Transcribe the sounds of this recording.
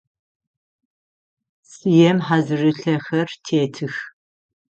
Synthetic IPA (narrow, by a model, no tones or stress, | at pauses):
sɨjɛmħazɨrɨɬɐxɐrtʰeːtʰɨx